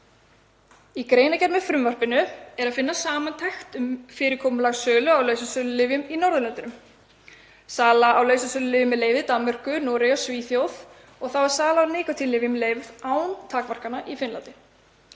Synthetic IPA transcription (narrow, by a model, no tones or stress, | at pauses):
ikɾeːjnacɛɾmɛ̥fɾʏmvar̥pɪnʏɛɾaðfɪnːasaːmant̪ʰajxt̪ʏmfɪːɾɪɾkʰowmʏlaɣsœːlʏawleɥsʏsœːlʏlɪːvʏminɔɾðʏlɛnt̪ʏnʏm | saːlaʔawleɥsʏsœːlʏlɪːvʏmːɛðleːjvðɪt̪amːar̥kʏnɔːɾɛjɔsviːθjowð | ɔɣθawɛɾ̥saːlaanɪːkat̪ʰɪlːɪːvɪmɛleːjvðaːwnt̪ʰaːkmar̥kanaʔifɪnlant̪ɪ